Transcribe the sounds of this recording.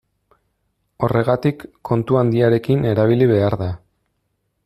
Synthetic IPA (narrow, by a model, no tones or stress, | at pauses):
o̞re̞ɣ̞at̪ikːo̞nt̪uand̪iaɾe̞kine̞ɾaβ̞iliβ̞e̞aɾða